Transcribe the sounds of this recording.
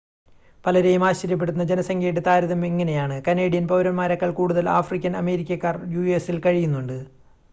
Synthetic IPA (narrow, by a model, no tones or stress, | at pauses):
pɐlɐɾejumaːɕːɐɾjɐp̬ːe̞ɽut̪ːunːɐd͡ʑenɐsɐŋɡʰeːʈːɨt̪aːɾuðɐmeŋːɐne̞jaːɳɨkɐneːɽijɐnpɐʋɾɐmmaːɾɐkːɐɭkuːɽuðɐla̰ːfrikʲːɐnɐme̞ːɾikʲːɐkːaːrjuesilkɐɻijunːuɳɖɨ